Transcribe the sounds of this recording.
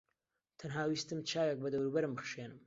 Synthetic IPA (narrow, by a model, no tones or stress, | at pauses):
t̪ʰɐnɦaːwiːst̪ɨmt͡ʃʰaːwjek̚bɐd̪ɐwɾuːbɐɾɨmbɨχʃeːnɨm